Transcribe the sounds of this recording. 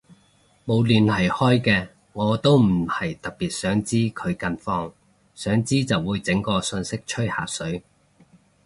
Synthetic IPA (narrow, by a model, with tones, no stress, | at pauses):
mo˨˧wliː˨˩nhɐ˨jhɔː˥jkɛː˧ | ŋɔː˨˧t̪o˥wm̩˨˩hɐ˨˩jt̪ɐ˨k̚piː˨t̚sœː˨˥ŋt͡siː˥kʰɵ˨˧ɥkɐ˧nfɔː˧ŋ | sœː˨˥ŋt͡siː˥t͡sɐ˨˩wːuː˨˧jt͡sɪ˨˥ŋkɔː˧sɵ˧nsɪ˥k̚t͡ʃʰɵ˥ha̰ː˨sɵ˨˥ɥ